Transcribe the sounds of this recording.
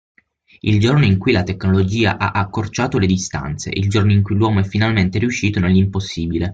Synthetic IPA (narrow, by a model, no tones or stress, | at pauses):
ild͡ʒornoiŋkujlat̪ekːnolod͡ʒiːa̰ʔaʔakːort͡ʃaːt̪oled̪ist̪a̰nt̪sḛʔḭld͡ʒornoiŋkujlwɔːmoɛfːinalment̪eɾiuʃːiːt̪onelːimposːiːbile